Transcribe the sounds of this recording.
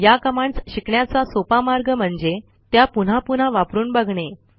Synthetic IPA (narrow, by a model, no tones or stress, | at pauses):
jakəmaɳt͡sɕikɳjat͡sasopamaɾɡəm̤əɳd͡ze | t̪japun̤apun̤aʋapɾuːnbaɡʱɳe